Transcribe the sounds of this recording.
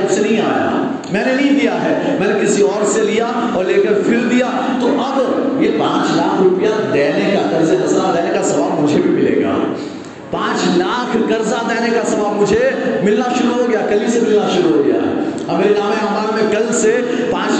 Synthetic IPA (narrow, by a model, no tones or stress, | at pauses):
bsenɐɦĩaːja̰ | mɛ̃ːnenɐɦĩd̪ijaɦɛː | mɛ̃ːnekɪsiɔːɾselija | ɔːɾleːkɐɾfʰɪɾd̪ija | t̪oʔɐbjepãːt͡ʃlaːkʰɾʊpəjad̪ɛːnekakɐɾzenɐzad̪ɛːnekasɐʋaːbmʊd͡ʒʱebʱimɪlḛːɡɐa̰ː | pãːt͡ʃlaːkʰkɐɾzad̪ɛːnekasɐʋaːbmʊd͡ʒʱemɪlnaʃʊɾuɦoɡɐjakɐlisemɪlnaʃʊɾuɦoɡɐja̰ɦɛ̰ː | ɐmeːɾenaːmɦɛ̃ɦɐmaːɾmẽkɐlse | pãːt͡ʃ